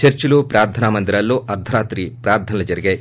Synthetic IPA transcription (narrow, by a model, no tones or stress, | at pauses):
t͡ʃɐɾt͡ʃulupɾaːɾd̪ʰʱɐnamɐnd̪iɾɐlːuʔɐɾd̪ʱɐɾaːt̪ɾipɾaːɾd̪ʰʱɐnɐlɐd͡ʒɐɾiɡe